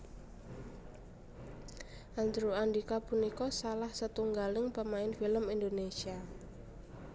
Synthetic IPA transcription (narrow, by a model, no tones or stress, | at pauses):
ʔand͡ʒɾuandikapunikɔsalahsət̪uŋɡalɪŋpəmaɪnfiləmind̪onesia